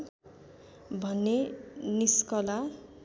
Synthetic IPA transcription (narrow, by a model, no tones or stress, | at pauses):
bʱʌnːeniskʌla